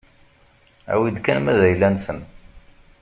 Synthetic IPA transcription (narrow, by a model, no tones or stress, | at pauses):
æ̰wid̪kænmæðæjlːænsən